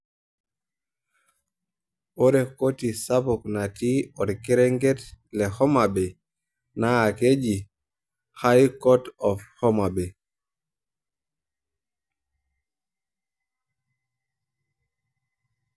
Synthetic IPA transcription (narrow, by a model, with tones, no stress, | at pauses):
o˦ɾe˨kotisabɔkna˨tiɔ˨dke˦ɾe˦ŋɡetle˨hɔ˦mabɛ˨ | naa˨ked͡ʒi | ha˦jkɔtɔfhɔ˦ma˨bɛ˨